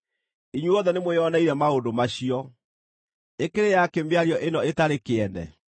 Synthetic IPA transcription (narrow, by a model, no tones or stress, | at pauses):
iɲwuɔðɛnemwejɔnaiɾɛmaondomaɕiɔ | ekeɾejakembeaɾiɔʔenɔetaɾekeɛnɛ̰